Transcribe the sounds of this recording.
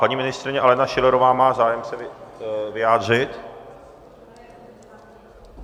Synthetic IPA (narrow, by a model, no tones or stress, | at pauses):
paɲiːmɪnɪst̪rɪɲɛʔalɛnaʃɪlɛɾovaːmaːzaːjɛmsɛvɪvɪjaːd̪r̝ɪt̪